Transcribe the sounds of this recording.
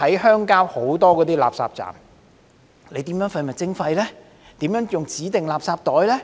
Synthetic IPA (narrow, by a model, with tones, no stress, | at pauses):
ɐ˨˥jhœː˥ŋkaː˥who˨˥wt̪ɔː˥kɔː˨˧t̪iː˥la̰ː˨p̚sa̰ː˧p̚t͡sa̰ː˨˩m | le˨˧t̪iː˨˥mjœ˨˥ŋfɐ˧jmɐ˨t̚t͡sɪ˥ŋfɐ˧jlɛː˥ | t̪iː˨˥mjœː˨˥ŋjʊ˨ŋt͡siː˨˥t̪ɪ˨ŋlaː˨p̚saː˧p̚t̪ɔː˨˥jlɛː˥